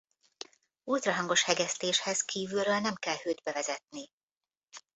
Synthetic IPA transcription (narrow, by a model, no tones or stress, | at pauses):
uːlt̪rɒɦɒŋɡo̞ʃhɛɡɛst̪eːʃhɛzkʰiːvylrøːlnɛmkɛlhøːd̪bɛvɛzɛt̪̚ni